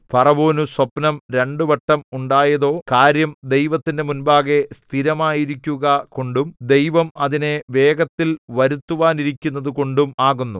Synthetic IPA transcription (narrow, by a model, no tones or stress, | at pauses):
pʰɐrɐʋoːnuswɐpnɐmɾe̞ɳɖuʋɐʈːɐmuɳɖaːjɐðo̞ːkaːɾjɐmd̪e̞jʋɐt̪ːinde̞munbaːɣe̞st̪ʰiɾɐmaːjiɾikʲːuɣɐko̞ɳɖumd̪e̞jʋɐmɐðine̞ʋe̞ːɡɐt̪ːilʋɐɾut̪ːuʋaːniɾikʲːunːɐðuko̞ɳɖumaːɣunːu